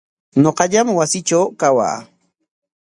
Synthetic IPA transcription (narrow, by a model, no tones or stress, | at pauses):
ɲoqɑʎamwasɪt͡ʃawkawa̰ː